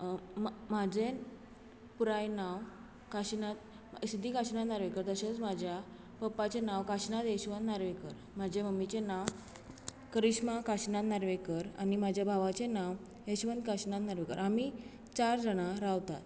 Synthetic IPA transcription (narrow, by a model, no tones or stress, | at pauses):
mmad͡ʑen | puɾajnaʋ | kaɕnat̪̚ | sid̪ʱikaɕnat̪naɾʋekəɾt̪əset͡smad͡ʑʱja | pəpːat͡ɕenaʋkaɕnat̪eɕʋənd̪naɾʋekəɾ | mad͡ʑʱeməmːit͡ɕenaʋ | kəɾiɕmakaɕnat̪naɾʋekəɾa̰nimad͡ʑʱjabʱaʋat͡ɕenaʋ | eɕʋənd̪kaɕnat̪naɾʋekə̰ɾami | t͡ɕaɾd͡zəɽ̃aɾaʋt̪a̰t̪